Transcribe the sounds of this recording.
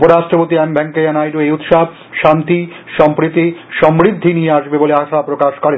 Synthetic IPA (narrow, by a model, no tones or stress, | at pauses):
poɾaʃʈɾopot̪iɛmbʱɛŋkeanajɾoejut̪ʃab | ʃant̪i | ʃɔmpɾit̪ːiʃɔmbɾid̪ʱːinijeaʃbeboleaʃapɾokaʃkɔɾe